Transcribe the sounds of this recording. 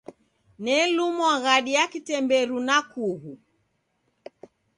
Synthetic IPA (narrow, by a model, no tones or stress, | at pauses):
nɛlumwaɣaɗijakitɛmbɛɾunakuɣu